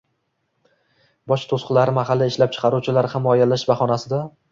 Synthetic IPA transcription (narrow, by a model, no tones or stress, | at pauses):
bɒʃt̪ʰosqʊlaɾɪmahalːɪɪʃlap̚t͡ʃʰɪ̥qʰɑɾuwt͡ʃʰɪlaɾhamɒjalaʃbaχɒnasɪd̪a